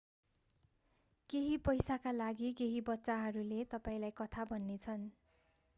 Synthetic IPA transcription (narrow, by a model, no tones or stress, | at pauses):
keɦipʌjsakalaɡikeɦibʌtːsaɦʌɾulet̪ʌpaĩlajkʌt̪ʰabʱʌnːet͡sʰʌn